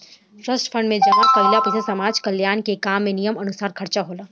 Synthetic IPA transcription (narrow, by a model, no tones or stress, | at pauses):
fɾəsʈfʰɐ̃ɳɖmẽd͡ʒɐɦakɐɪlapɪt̪ʰasɐmaːd͡ʒkɐljaːnkekaːmːẽnijəmɐnʊsaːɾkʰɐɾt͡ʃaɦoːlaː